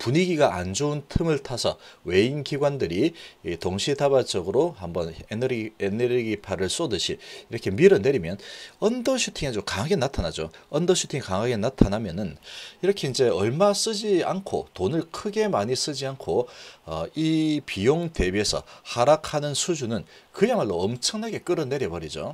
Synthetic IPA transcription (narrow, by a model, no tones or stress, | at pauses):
puɲiɡiɡaand͡ʑountʰɯmɯɭtʰasʰʌwe̞inkiɡwandɯɾitoŋɕʰidabad͡ʑʌɡɯɾohambʌneneɾeneɾɡipʰaɾɯɭs͈odɯɕʰiiɾʌkʰe̞miɾɯne̞ɾimjʌnʌndʌɕʰutʰiŋet͡ɕomkaŋaɡe̞natʰanad͡ʑoʌndʌɕʰu̥tʰiŋkaŋaɡe̞natʰanamjʌnɯniɾʌkʰe̞ind͡ʑe̞ʌɭmas͈ɯd͡ʑia̰nkʰo̰tonɯɭkʰɯɡe̞maɲis͈ɯd͡ʑiankʰoʌipijoŋte̞bie̞sʰʌ̰haɾakʰanɯnsʰud͡ʑunɯnkɯjaŋwaɭːoʌmt͡ɕʰʌŋnaɡe̞k͈ɯɾɯnːe̞ɾjʌbʌɾid͡ʑo̰